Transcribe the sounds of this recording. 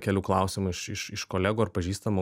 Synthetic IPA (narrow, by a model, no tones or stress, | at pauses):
kʲɛlʲuːklˠɑˑʊsʲɪmʊɪʃɪʃɪʃkoːlʲæːɡuːɐɾpɐʒʲiːst̪ɐmoː